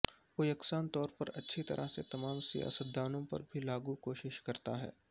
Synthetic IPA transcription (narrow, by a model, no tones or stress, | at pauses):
ʋoːjɐksaːnt̪ɔːɾpɐɾɐtːʃʰit̪ɐ̰ɾʔəɦset̪ɐmaːmsija̰ːsət̪̚d̪aːnõpɐ̰ɾbʱilaːɡukoːʃɪʃkɐɾt̪aɦɛ̰ː